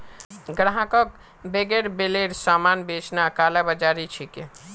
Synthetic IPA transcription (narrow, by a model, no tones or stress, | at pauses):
ɡɾaɦãkək̚ | beɡeɾbeleɾsamanbet͡ʃʰnakalabəd͡ʒaɾit͡ʃʰike